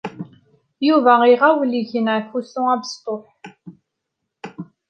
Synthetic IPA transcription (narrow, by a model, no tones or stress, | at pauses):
juvæʁiʁawəliçənæfusʊ̃æbst̪ˤoħ